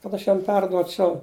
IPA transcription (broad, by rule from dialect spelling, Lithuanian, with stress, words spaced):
kɐt ˈɐʃ ˈjɛm ˈpʲɛrduɔt͡ʃʲɛʊ